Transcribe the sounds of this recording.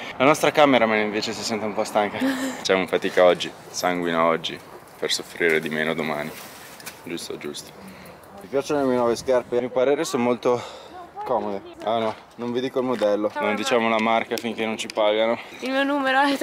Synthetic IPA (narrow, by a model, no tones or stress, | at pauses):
lanɔst̪ɾakaːmeɾamanːeiɱveːt͡ʃesisɛnt̪eumpɔst̪aŋkafat͡ʃːamofat̪iːkaɔd͡ʒːi | saŋɡwinaɔd͡ʒːi | persofɾiːɾed̪imeːnod̪oma̰ːni | d͡ʒust̪o̰d͡ʒust̪o̥ | mipjaːt͡ʃonolemienwɔveskarpemiopaɾeːɾesonmolt̪okɔːmod̪eɛnɔ | nõɱvid̪iːkoilmod̪ɛlːonond̪it͡ʃaːmolamarkafiŋk̟enont͡ʃipaːɡanoilmiːonuːmeɾoɛ